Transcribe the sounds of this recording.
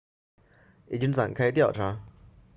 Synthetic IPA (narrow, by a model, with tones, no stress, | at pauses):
i˨˩t͡ɕi˥ŋfa̰˨˩nkʰa˥ɪt̪jɑ˥˩ʊʈ͡ʂʰa˧˥